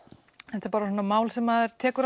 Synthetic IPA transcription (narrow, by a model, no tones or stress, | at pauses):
ɛnθapaːɾasɔnːamaːwlsɛmaðɪɾ̥t̪ʰɛːkʏɾ